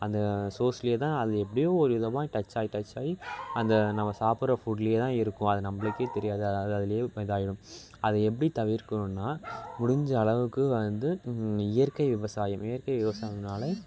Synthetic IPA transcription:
ɐnd̪ɐsoːsɪljeːt̪ãːɐðɯɛp̬ːɐɽɪjoːɔɾɯʊðɐʋãːʈɐt͡ʃːaːjiʈɐt͡ʃːaːjiɐnd̪ɐnɐmːɐsaːpɯɾɐfuʈljeːt̪ãːɪɾɯkːʊ̃ɐðɯnɐmːɐɭɯkːet̪ɛɾɪjaːðɯɐðɪlɐjeːpɐðaːjɪɽɯ̃m | ɐðɐɛp̬ːɐɽit̪ɐʋɪɾkɐɳɯnːaːmʊɽɪɲd͡ʒɐːɭɐʋɯkːɯʋɐnd̪ɯɪjɐɾkɐɪʋɪʋɐsaːjɐmɪjɐɾkɐɪʋɪʋɐsaːjɐnaːlɐ

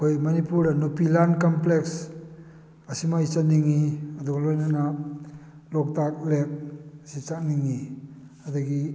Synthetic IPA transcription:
kʰojmɐnipuɾnupilankɔmpleks | ɐsimaisaniŋːiɐd̪uɡalojnana | lɔk̚tak̚lek̚sit͡ʃak̚niŋːi | aduɡi

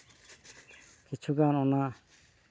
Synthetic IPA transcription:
kit͡ʃʰuɡanɔna

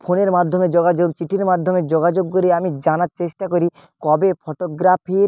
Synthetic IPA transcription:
pʰoneɾmad̪ʱːomed͡ʑoɡad͡ʑoɡt͡ɕiʈʰiɾmad̪ʱːomed͡ʑoɡad͡ʑoɡːoɾiamid͡ʑanaɾt͡ɕeʃʈakoɾi | kɔbepʰoʈoɡɾapʰi

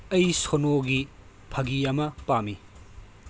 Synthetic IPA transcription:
ɐjsonoɡi | pʰɐɡiɐmɐpami

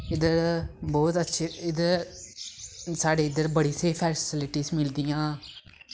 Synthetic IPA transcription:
ɪd̪əɾbɔːt̪ətːʃʰiɪd̪əɾ | saːɽeːɪd̪əɾbəɽiːseːpʰɛːsɪlɪʈiːsmɪld̪ijãː

